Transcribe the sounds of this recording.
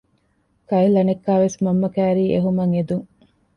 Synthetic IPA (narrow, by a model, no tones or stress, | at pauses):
kɐilɐnekːaːʋesmɐmːɐkæːɾiːʔeɦumɐŋed̪uŋ